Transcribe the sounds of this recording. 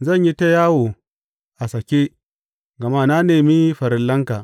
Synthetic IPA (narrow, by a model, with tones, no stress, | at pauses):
zɐ˦˨ɲji˦ta˦jaː˦woː˨ | ʔa˨sɐ˨kʲe˦ | ɡɐ˨ma˦na˦neː˨mi˦ɸɐ˨ɾɪ˨lːɐ˦ŋka˨